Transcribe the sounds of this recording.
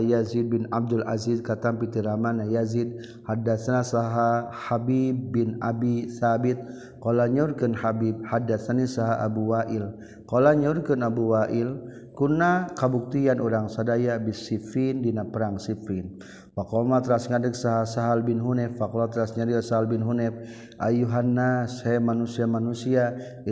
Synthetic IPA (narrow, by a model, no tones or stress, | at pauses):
jazid̪̚binab̚dula̰zidkat̪ampit̪iɾamanajazid̚ | hadasanasaɦahabibːinabiθabit̪̚ | kolaɲurkənhabib̚hadasanisaɦaʔabuwaʔil | kolaɲurkənabuwaʔil | kunakabuk̚t̪ianʔuɾaŋsadajabisifindinapəɾaŋsifin | fakɔmat̪ɾasŋadəksaɦasaɦalbinɦunɛfakɔlmat̪ɾasɲaɾiasaɦalbinɦunɛf | ʔa̰juɦanːashɛmanusiamanusia